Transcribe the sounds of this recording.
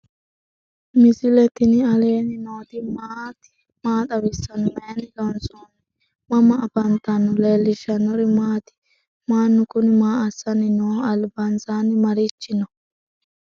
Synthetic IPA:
mɪsɪlɛt̪ɪnɪɐleːnɪnoːt̪ɪmaːt̪ɪ̥ | maːt̪ɐbɪsːɐnmɛnɪlɔnsɔnɪ | mɐmɐɐbɐnt̪ɐnːɔleːlːɪʃɐnːɔɾɪmaːt̪ɪ̥ | maːnːʊkʊnɪmaːɐsːɐnɪnoːɐlbɐnsaːnɪmɐɾit͡ʃːɪnɔ

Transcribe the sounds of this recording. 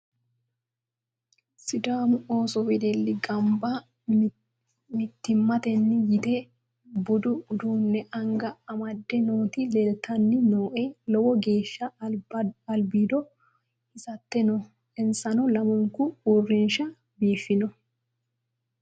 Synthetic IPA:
sɪd̪aːmʊoːsɔwɛd̪ɛlːɪɡɐmbɐ | mɪt̪ːɪmːɐt̪ɛnːɪjɪt̪ɛ | bʊd̪ʊʊd̪uːnːɛʔɐŋɡɐːmɐd̪ːɛnoːt̪ɪlɛlt̪ʰːɐnːɪnoːʔɛlɔwɔɡe̞ːʃːɐ | ɐlbiːd̪ɔ | hɪsɐt̪ːɛnɔ | ɛnsɐnɔlɐmɔŋkʊurːɪnʃɐ | biːfːɪnɔ

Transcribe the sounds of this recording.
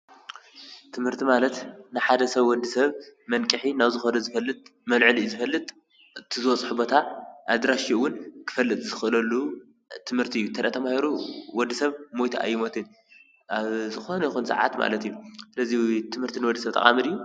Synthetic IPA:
t̪ʰɨmhɨɾt̪ʰimalɐt̪naħad̪ɐsɐβwɔd̪isɐβmɐnkʼɨħinaβzɨxɐnɐzɨfɐlːɨt̪mɐlʕɨlizɨfɐlːɨt̪ʼ | t̪ʰɨzɨwɔt͡sʼħubo̞t̪ʰaʔad̪ɾaʃiwʊnkʰɨ̥fɐlːɨt̪zɨxɨʔɨlɐlːu | t̪ʰɨmhɨɾt̪ʰiɨjːut̪ʰɐɾɐ̰t̪ʰɐmahiɾuwɔd̪ːisɐβmo̞jt̪ʰaʔa̰jːmot̪ʰɨn | ʔaβzɨxo̞nɐjɪxunsa̰ʕa̰t̪ma̰lɐt̪ɨjːusɨlɐzit̪ʰɨmhɨɾt̪ʰinɨwɔd̪ːisɐβt̪ʼɐ̰kʼa̰mɨlɨjːu

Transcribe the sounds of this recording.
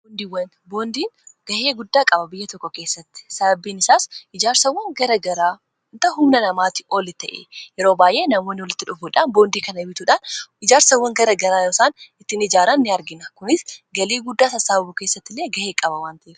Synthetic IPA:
bond̪iwːɐn | bo̞ːnd̪iːnɡ̥ɐhe̞ːɡʊd̪ːaːkʼɐbɐbɪjːɐt̪ɔkːɔke̞ːsːɐt̪ːɪ̥sɐbɐbiːnɪsaːsʔɪd͡ʒaːɾsɐwːɐŋɡɐɾɐɡɐɾaː | ɪnt̪ɐɦʊmnɐnɐmaːt̪ɪ̥o̞ːlɪt̪ɐʔḛːjɛɾoːbaːjʔe̞ːnɐmo̞ːnːɪwɔlɪt̪ːɪᶑʊfuːᶑaːnbo̞ːnd̪iːkɐnɐbɪt̪uːᶑaːnɪd͡ʒaːɾsɐwːɐŋɡɐɾɐɡɐɾaːjoːsaːnɪt̪ːɪnɪd͡ʒaːɾɐnːɪɐɾɡɪnɐkʊnɪsɡɐliːɡʊd̪ːaːsɐsaːbɐbukeːsːɐt̪ːɪlːeːɡɐhe̞ːkʼɐbɐwaːnt̪ɐʔeːf

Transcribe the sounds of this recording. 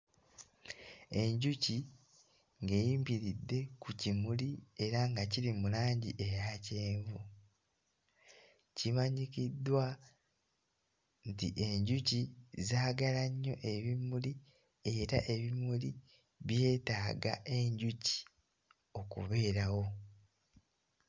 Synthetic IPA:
e̞ɲɟuci | ŋɡejiːmbiɾid̪ːe̞kucimulie̞ɾaŋɡacilimulaːɲɟiʔe̞jaːceːɱvu | cimaɲikid̪ːwa | ntḭʔe̞ɲɟucizaːɡalaɲːo̞ʔe̞βimuli | e̞ɾaʔe̞βimuli | βje̞ːtaːɡa̰ʔe̞ɲɟuci̥ | o̞kṵβe̞ːɾawo̞

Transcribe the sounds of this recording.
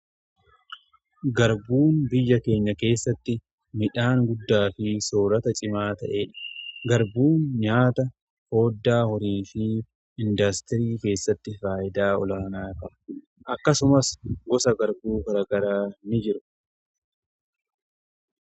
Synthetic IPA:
ɡɐɾbuːnbɪjːɐke̞ːɲːɐke̞ːsːɐt̪ːɪ | mɪᶑaːŋɡʊd̪ːaːfɪso̞ːɾɐt̪ɐt͡ʃʼɪmaːt̪ɐʔe̞ːᶑɐ̥ɡɐɾbuːnɲaːt̪ɐ | ho̞ːd̪ːaːhɔɾiːfiː | ɪnd̪ɐst̪ɪɾiːke̞ːsːɐt̪ːɪfaːʔɪd̪aːɔlaːnaːkʼɐf | ʔɐkːɐsʊmɐsɡɔsɐɡɐɾbuːkɐɾɐɡɐɾaːnɪd͡ʒɪɾʊ

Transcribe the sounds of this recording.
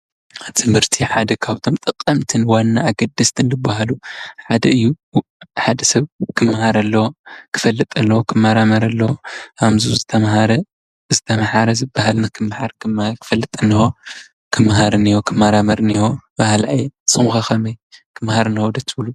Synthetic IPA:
at̪ʰɨmɨɾt̪ʰiħad̪ɐkʰaβt̪ʰo̞mt̪ʼɨqʼːɐmt̪ʰɨnwanːaːɡɐd̪ːɐst̪ʰɨnlɨbːahaluħad̪ɐɨjːu | ħad̪ɐsɐβkʰɨmhaɾɐlːɐwokʰɨ̥fɐlːɨt̪ʼɐlːɐwokʰɨmːaɾamɐɾɐlːɐwoʔamzuzɨt̪ʰɐmhaɾɐ | zɨt̪ʰɐmaħaɾɐzɨbːahalnɐkʰɨmːħaɾkʰɨmkʰɨ̥fɐlːɨt̪ʼɐnːixo | kʰɨmɦaɾɨnijokʰɨmːaɾamɐɾnihobahlajsʼɨmxaxɐmɐjkʰɨmhaɾnɐwod̪ɐt̪ʰːβlu

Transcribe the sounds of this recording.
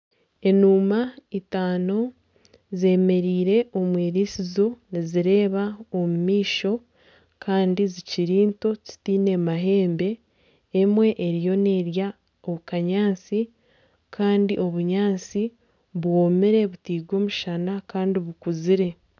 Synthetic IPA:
e̞nuːmaitaːno̞ | ze̞ːme̞ɾiːɾe̞o̞mweːɾisizo̞niziɾe̞ːβaomumiːʃo̞ | kaːndiziciɾiːnto̞ci̥tiːne̞maɦe̞ːmbe̞ː | mwe̞ʔeɾijo̞ne̞ːɾja | oβukaɲaːnt͡si | kʰaːndiʔo̞βuɲaːnt͡si | βwoːmiɾe̞βutiːɡo̞ːmuʃanakaːndiβukuziɾe̞

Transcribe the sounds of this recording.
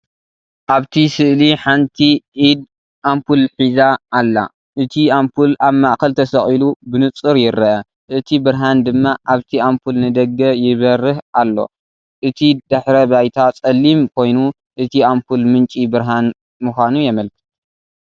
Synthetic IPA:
ʔaβt̪ʰisɨʔliħant̪ʰiʔid̪̚ | ʔampʰulħizaːlːa̰ | ʔɨt̪ʰiampʰulaβmaʔkɐlt̪ʰɐsɐχʼilubɨnɨt͡sʼɨɾjɪɾɐʔɐ | ʔɨt̪ʰibɨɾɦand̪ɨmːaʔaβt̪ʰiampʰulnɨd̪ɐɡːɐjɪβɐrːɨhalːo̞̰ | ʔɨt̪ʰid̪̥aħɾɐbajt̪ʰat͡sʼɐlːimkʰo̞jnu | ʔɨt̪ʰiampʰulmɨnt͡ʃʼibɨɾɦan | muxʷanujɛmɐlkʰɨ̥t̪

